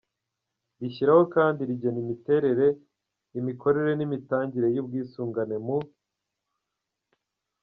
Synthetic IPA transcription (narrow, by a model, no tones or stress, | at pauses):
ɾiçiɾaho̞kaːndiɾiɟenimite̞ɾe̞ɾe̞ | imiko̞ɾe̞ɾe̞nimitaːɲɟiɾe̞jub̚ɡiːsuːŋɡane̞mu